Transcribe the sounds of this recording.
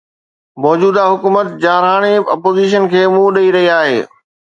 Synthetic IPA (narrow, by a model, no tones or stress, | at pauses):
mɔːd͡ʑuːd̪aɦʊkuːmət̪̚d͡ʑaːɾɦaːɽ̃eɐpoːziʃ̬ənkʰeːmũːɗɐiɾɐɦiaːɦḛː